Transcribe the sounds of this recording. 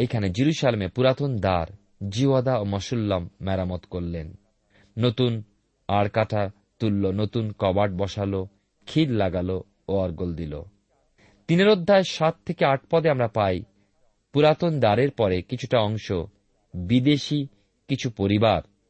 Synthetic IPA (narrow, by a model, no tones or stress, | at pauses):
ekʰaned͡ʑiɾuʃalemepuɾat̪ond̪aɾ | d͡ʑiad̪aomɔʃulːamːɛɾamot̪koɾlenː | ot̪un | aɽkaʈʰa | t̪ulːonot̪unkɔbaʈ̚bɔʃalo | kʰillaɡalo | oaɾɡold̪ilo̰ | t̪ineɾod̪ʱːaeʃat̪ʰːekeaʈ̚pɔd̪eamɾapaj | puɾat̪ond̪aɾeɾpɔɾekit͡ɕʰu̥ʈaɔŋʃo | bid̪eʃi | kit͡ɕʰupoɾibaɾ